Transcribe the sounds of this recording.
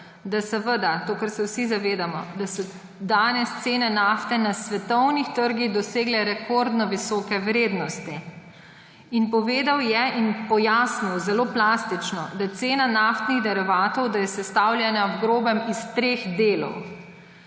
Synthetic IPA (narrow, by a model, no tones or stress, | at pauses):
d̪asɛʋəd̪at̪oːkəɾsɛwsizaʋeːd̪amɔ̰d̪asɔ | d̪aːnɛst̪seːnɛnaːft̪ɛnasʋɛt̪ɔwnixt̪əɾɡiɣd̪ɔseːɡlɛɾɛkʰɔɾd̪nɔʋisɔːkɛwɾeːd̪nɔst̪i | inpɔʋeːd̪awjɛʔinpɔjaːsniwzɛloːplaːst̪it͡ʃnɔd̪ajɛt̪seːnanaːft̪niɣd̪ɛɾiʋaːt̪ɔwd̪ajɛsɛst̪aːwlʲjɛnawɡɾoːbɛmist̪ɾeːxd̪eːlɔ̰w